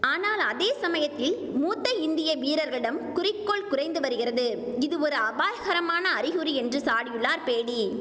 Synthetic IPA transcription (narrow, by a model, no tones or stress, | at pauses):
aːnaːlɐðeːsɐmɐjɐt̪ːɪl | muːt̪ːɐɪnd̪ɪjɐʋiːɾɐɾɣɐɭɪɽɐmkʊrɪkːɔɭkʊrɐɪnd̪ɯʋɐɾɯɣɪrɐðɯɪðɯɔɾɯɐbaːjɐɣɐɾɐmaːnɐːɾɪɣɯɾiɛndrɯsaːɽijɯɭːaːɾpeːɽi